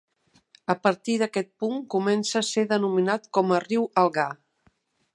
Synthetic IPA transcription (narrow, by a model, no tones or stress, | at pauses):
əpəɾt̪iðəkɛt̪̚puŋkumɛnsəːseðənuminat̪kɔməriwəlˠɣa